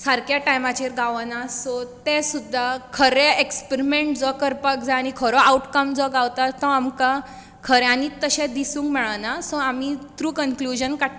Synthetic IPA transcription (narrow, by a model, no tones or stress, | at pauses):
saɾkjaʈajmat͡ɕeɾɡaʋənasɔt̪esud̪ʱːakʰəɾeekspeɾimẽɳʈd͡zɔkəɾpak̚d͡zaañikʰɔɾɔauʈkəmd͡zɔɡawt̪at̪ːɔamka | kʰəɾɛaniːt̪ːəɕẽd̪isũŋkmɛɭanasɔamit̪ɾuːkənklud͡ʑənkaʈ